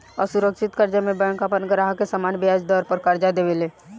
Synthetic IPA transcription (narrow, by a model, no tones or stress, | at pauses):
ɔːɾsuɾəkʃɪt̪kəɾd͡ʒamẽbɛ̃ŋkapənɡəɾaɦkesamaːnbejad͡ʒd̪ɔːɾpəɾkəɾd͡ʒad̪eːʋeleː